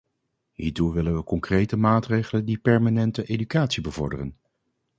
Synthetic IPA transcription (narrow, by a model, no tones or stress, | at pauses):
ɦiːɹtuːɹʋɪlənʋəkɔŋkrejtəmaːtrejχələndipɛɹmanɛntəʔejdykaːtsibəvɔ̰ɹdərə̰n